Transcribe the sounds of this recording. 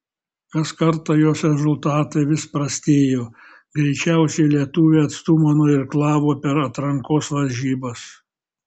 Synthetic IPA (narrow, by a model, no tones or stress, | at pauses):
kɐskɐɾt̪ɑjoːsɾʲɛzʊlˠt̪ɑːt̪ɐɪʋʲɪspɾɐsʲt̪ʲeːjoː | ɡɾʲɛɪt͡ʃʲæˑʊsʲɛɪlʲiɛt̪uʋʲeːɐt̪st̪umɐnoːɪɾklˠɑːʋoːpʲɛɾɐt̪ɾɐŋkoːsʋɐlʲʒʲiːbɐs